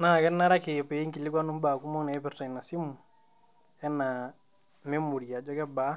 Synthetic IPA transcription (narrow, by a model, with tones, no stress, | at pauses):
na˦˨kɛ˦nːa˦ɾa˦kɪ˨pɛ˨i˦ŋki˨li˦kwa˦nu˦m˦ba˨ku˦mɔ˦na˨ɛ˦pɛ˦ɾta˨i˨na˨si˦mu˨ | ɛ˦na˨ | mɛ˦mu˨ɾi˨a˨d͡ʒɔ˦kɛ˦ba˦